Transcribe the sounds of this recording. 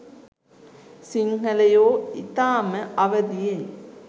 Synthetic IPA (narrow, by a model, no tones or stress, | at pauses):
siŋɦɐlɐjoːit̪aːmɐɐʋɐd̪ije